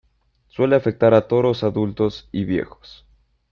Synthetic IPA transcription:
swe̞leafe̞k̚t̪aɾat̪o̞ðosaðult̪o̞siβje̞̰xo̥s

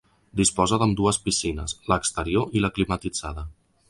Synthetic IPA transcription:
d̪ispɔzəðəmd̪uəspisinəsləkst̪əɾioʔiləklimət̪id͡zaðə

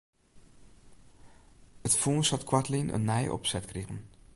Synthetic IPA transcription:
ətfuːnshɑtkwɑtlinʔə̰nːɛjʔɔ̰psɛtkreːʁən

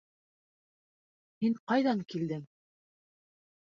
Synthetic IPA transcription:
hiɴqɑjðɑŋkild̪ɘŋ

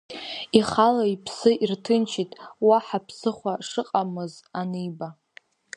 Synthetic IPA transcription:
iχalaipʰsɨʔirtʰɨnt͡ʃʰitʼwaħapʰsɨχʷaʂɨqʼamɨzanɨjba

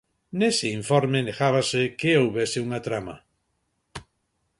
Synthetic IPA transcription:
neseiɱfɔɾmeneɣaβ̞asekeowβesɪuŋat̪ɾama̰

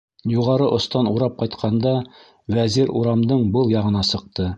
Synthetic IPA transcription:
juʁɑɾɤʔŏst̪ɑnuɾɑp̚qɑjt̪qʰɑnd̪ɑ | wæziɾuɾɑmd̪ɤɴbɤlˠjɑʁɤ̆nɑsɤ̆q̚t̪ɤ

